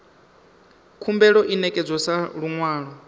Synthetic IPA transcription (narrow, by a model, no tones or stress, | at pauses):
kʰumbɛɺɔʔinɛkʼɛd͡zʷɔsaɺuŋwaːɺɔ